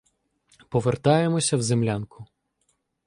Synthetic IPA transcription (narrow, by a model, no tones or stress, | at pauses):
pɔʋert̪ɑjemɔsʲɐwzemlʲankʰʊ